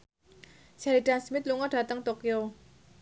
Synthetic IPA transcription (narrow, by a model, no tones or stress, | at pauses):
saɾitɾansmit̪̚luŋɔɖat̪aŋt̪okio